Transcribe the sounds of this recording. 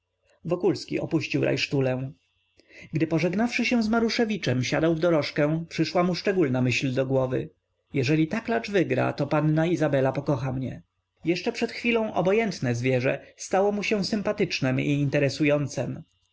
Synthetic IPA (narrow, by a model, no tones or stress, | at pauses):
vɔkulskʲḭʔɔ̰puɕt͡ɕiwɾʔa̰jʂt̪ulɛ̃ | ɡd̪ɘpɔʐɛɡnafʂɘɕɛw̃zmaɾuʂɛvʲit͡ʂɛmɕad̪awvd̪ɔɾɔʂkɛ̃pʂɘʂwamuʂt͡ʂɛɡulnamɘɕld̪ɔɡwɔvɘ̰ | jɛʐɛlʲit̪aklat͡ʂvɘɡɾa̰t̪ɔpanːaizabɛlapɔkɔxamɲɛ | jɛʂt͡ʂɛpʂɛt̪xfʲilɔ̃w̃ʔɔbɔjɛnt̪nɛzvʲjɛʐɛ̰st̪awɔmuɕɛ̃w̃sɘmpat̪ɘt͡ʂnɛmiːnt̪ɛɾɛsujɔnt̪sɛm